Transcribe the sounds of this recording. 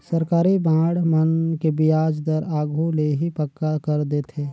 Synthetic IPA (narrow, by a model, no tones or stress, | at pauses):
səɾkaːɾibãːɽmənkebɪjaːd͡ʒd̪əɾaːɡuleɦipəkːakəɾd̪et̪ʰeː